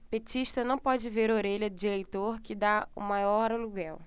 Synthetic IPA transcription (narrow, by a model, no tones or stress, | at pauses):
pet͡ʃiʃt̪ɐnɐ̃w̃pɔd͡ʒɪveɾoɾeʎɐd̪ʊd͡ʒiɾejt̪oɾkɪd̪aṵmajɔɾɐluɡɛw